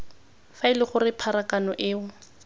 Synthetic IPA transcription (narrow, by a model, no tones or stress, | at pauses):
faɪlɪχʊrɪpʰaɾakanɔʔɪːʊ